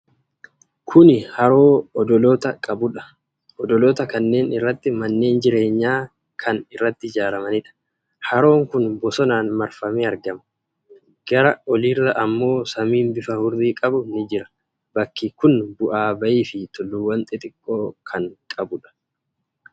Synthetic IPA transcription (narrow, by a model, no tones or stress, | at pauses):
kʰʊnɪhɐɾo̞ːɔd̪ɔloːt̪ɐkʼɐbʊᶑɐ̥ | ɔd̪ɔloːt̪ɐkɐnːe̞ːnɪrːɐt̪ːɪmɐnːe̞ːnd͡ʒɪɾe̞ːɲːaː | kʰɐnɪrːɐt̪ːɪd͡ʒaːɾɐmɐnɪᶑɐ̥ | hɐɾo̞ːŋkʊnbɔsɔnaːnmɐɾfɐmeːɐɾɡɐmɐ̥ | ɡ̥ɐɾɐɔlirːɐʔɐmːo̞ːsɐmiːnbɪfɐhʊɾdiːkʼɐbʊnɪd͡ʒɪɾɐ̥ | bɐkːɪkʊnbʊʔaːbɐʔiːfɪt̪ɔlːuwɐnt̪ʼɛt̪ʼɪkʼːo̞ːkʰɐŋkʼɐbʊᶑɐ̥